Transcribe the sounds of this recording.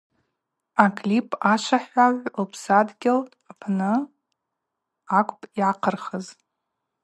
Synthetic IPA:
akʰʼlipʼaʃʷaħʷaʕʷlpʰsadɡʲɪl | apʰnɨ | akʷʼpʼiaqʰərχəz

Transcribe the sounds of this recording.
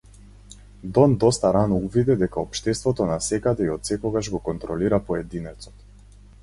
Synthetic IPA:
d̪ɔnd̪ɔst̪aɾanɔuvid̪ɛd̪ɛkaɔpʃt̪ɛst̪vɔt̪ɔnasɛkad̪ɛiɔt̪sɛkɔɡaʒɡɔkɔnt̪ɾɔliɾapɔɛd̪inɛt̪sɔ̥t̪

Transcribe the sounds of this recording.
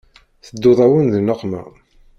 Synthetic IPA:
θəd̪ːʊðˤæwənðənəqːmæ̰

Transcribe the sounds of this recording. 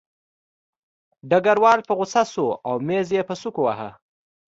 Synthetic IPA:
ɖaɡaɾwɑlpəɣʊsasoawmezjepəsukowaɦa

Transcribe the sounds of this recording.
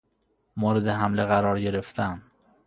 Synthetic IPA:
moːɾed̪eɦæmleɣæɾɒːɾɟe̞ɾe̞ft̪ʰæn

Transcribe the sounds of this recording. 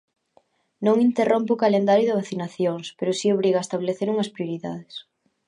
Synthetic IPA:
nõŋint̪erompʊːkalend̪aɾjʊðɪβaθinaθjoŋspeɾʊsioβ̞ɾiɣaest̪aβleθeɾuŋɐspɾjoɾiða̰ðɪs

